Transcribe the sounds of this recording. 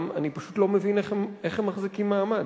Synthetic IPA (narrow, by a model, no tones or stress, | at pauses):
ma̰nipaʃutlo̞mevineχemeχemːaχzikimːaːmad